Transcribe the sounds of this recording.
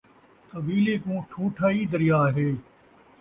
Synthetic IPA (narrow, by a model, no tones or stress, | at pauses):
t̪ɐʋiːleːkũːʈʰuːʈʰaːiːd̪əɾijaːɦeː